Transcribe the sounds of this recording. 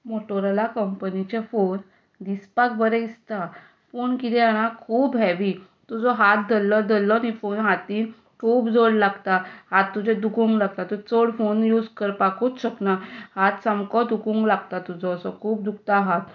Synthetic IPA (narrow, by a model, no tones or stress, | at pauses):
moʈoɾalakəmpnit͡ɕafon | d̪ispakbəɾɛist̪a | fonkit̪ɛaɽ̃ãkʰuːbɦɛʋi | t̪ud͡zɔɦat̪̚d̪əlːɔd̪ʱəlːɔnifonɦat̪iːn | kʰuːpd͡zoɽlaɡt̪ahat̪ːud͡ʑɛd̪ukũŋɡlaɡ̚t̪at̪ut͡soɽfonjuːd͡zkəɾpakot̪ɕəknahat̪samkɔd̪ukũŋɡlaɡt̪at̪ud͡zɔəsɔkʰuːp̚d̪uk̚t̪aɦat̪